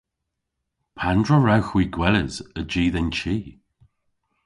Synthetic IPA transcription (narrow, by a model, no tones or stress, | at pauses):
pʰandɹəɹawxwiːɡwɛləzəd͡ʒiːðɛnt͡ʃiː